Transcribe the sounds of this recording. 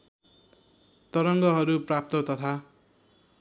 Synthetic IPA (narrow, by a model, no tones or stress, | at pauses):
t̪ʌɾʌŋɡʌɦʌɾuprap̚t̪ʌt̪ʌt̪ʰa